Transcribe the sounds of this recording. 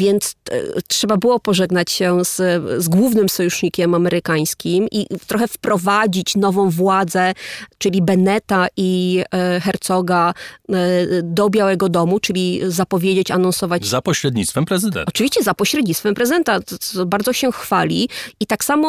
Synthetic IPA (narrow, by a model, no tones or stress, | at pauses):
vʲjɛnt̪stʂɛbabɘwɔpɔʐɛɡnat͡ɕɕɛzzɡwuvnɘmsɔjuʂɲikʲɛmamɛɾɘkaj̃skʲimʔḭt̪ɾɔxɛfpɾɔvad͡ʑit͡ɕnɔvɔ̃w̃vwad̪zɛt͡ʂɘlʲibɛnɛt̪aʔi | xɛɾt̪sɔɡa | d̪ɔbʲjawɛɡɔd̪ɔmut͡ʂɘlʲizapɔvʲjed͡ʑet͡ɕanɔ̃nsɔvat͡ɕzapɔɕɾɛd̪̚ɲit̪st̪fɛmpɾɛzɨd̪ɛ̰ɔt͡ʂɨviɕt͡ɕɛzapɔɕɾɛd̪ɲist̪fɛmpɾɛzɨd̪ɛnt̪abaɾd̪ɔɕɛxfalʲiit̪aksamɔ